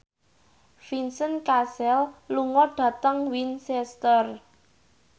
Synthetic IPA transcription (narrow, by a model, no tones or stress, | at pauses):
finsənkasɛlluŋɔɖ̥a̤t̪əŋwinsɛst̪ər